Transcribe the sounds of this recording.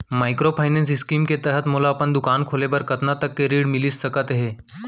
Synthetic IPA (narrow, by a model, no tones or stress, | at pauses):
majkɾopʰajnens̬iskiːmket̪ɛɦət̪mulaːpəɳd̪ukankʰolebəɾkət̪nat̪əkːeɾiːɽmilisːəkət̪ɦe